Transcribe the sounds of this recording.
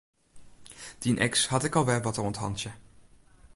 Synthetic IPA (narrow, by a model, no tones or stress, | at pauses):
d̥inʔɛ̰ksɦɑtɪkɑlˠʋɛʋɑtəɔntɦɑ̰ntə